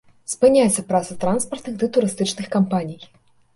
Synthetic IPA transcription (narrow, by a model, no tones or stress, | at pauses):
spɨnʲajɛt̪sːɐpɾat̪sɐt̪ɾanspɐrt̪nɨɣd̪ɨt̪uɾɨst̪ɨt͡ʂnɨxkampanʲij